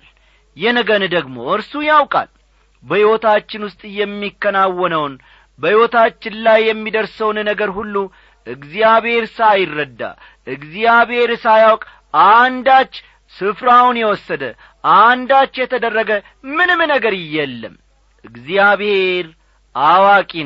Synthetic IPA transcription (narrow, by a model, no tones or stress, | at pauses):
jɛnəɡənɨd̪əɡmo̞̰ʔɨɾsujawkʼa̰l | bəhiwot̪ʰat͡ʃːɪnwʊst̪ʼɨjːɛmːikːənawːɔnəwn | bəhiwot̪ʰat͡ʃːɪnlajːɛmːid̪əɾsəwnnəɡəɾhulːu | ʔɨɡzijaβhe̞ɾsajɪrːəd̪ːa̰ | ʔɨɡzijaβhe̞ɾsajawkʼ | ʔand̪at͡ʃː | sɨfɾawunjɛwɔsːəd̪ə | ʔand̪at͡ʃːjɛt̪ʰəd̪ərːəɡə | mɨnɨmnəɡəɾɨjːɛlːə̰m | ʔɨɡzijaβhe̞ɾ | ʔawakʼi